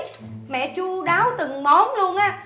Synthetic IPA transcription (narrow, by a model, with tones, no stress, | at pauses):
mɛ̰˧˨t͡ɕu˧ɗaː˨˦wt̪ɨ˨˩ŋmo˨˦nlu˧ənʔaː˨˦˥